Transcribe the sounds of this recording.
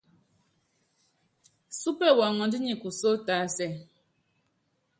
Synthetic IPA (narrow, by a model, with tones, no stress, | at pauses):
su˦pɛ˦˨wa˨ŋɔ˨ndi˦ɲi˨ku˨so˦ta˨˦sɛ˦˨